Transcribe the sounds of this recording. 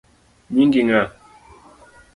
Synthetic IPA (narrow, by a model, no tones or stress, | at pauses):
miŋɡiŋa